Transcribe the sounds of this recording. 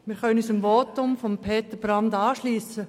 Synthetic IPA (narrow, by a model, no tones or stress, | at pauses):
mɪːɾχœnənyːsɪmʋoːtʊmfɔmpʰeːt̪əb̥ɾɑndɑːʃliːsə